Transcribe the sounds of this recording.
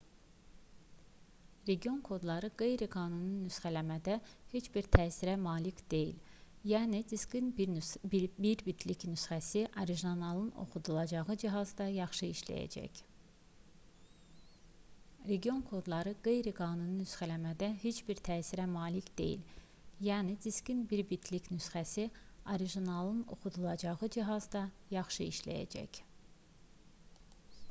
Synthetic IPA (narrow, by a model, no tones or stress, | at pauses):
ɾe̞ɡio̞nkʰo̞d̪lˠɑɾɯɡe̞jɾiɡɑːnununysχælæmæd̪æhet͡ʃbiɾt̪ʰæːsiɾæmɑːlicʰd̪̥e̞jḭl | jæːnid̪iskin | biɾbit̪ʰlicnysχæsiʔɑɾiʒonɑlˠɯno̞̰χud̪ulˠɑd͡ʒɑʁɯd͡ʒiɦɑzd̪ɑjɑχʃɯiʃlæ̰jæ̰d͡ʒæ̰ç | ɾe̞ɡʲio̞nkʰod̪lˠɑɾɯɡe̞jɾiɡɑːnunnysχælæmæd̪æɦet͡ʃʰbiɾt̪ʰæːsiɾæmɑːlicʰd̪e̞̰jḭl | jæːnid̪iscinbiɾbit̪ʰlicnysχæsioɾiʒinɑlˠɯno̞̰xud̪ulˠɑd͡ʒɑʁɯd͡ʒiɦɑzd̪ɑjɑχʃɯḭʃlæ̰jæ̰d͡ʒæ̰c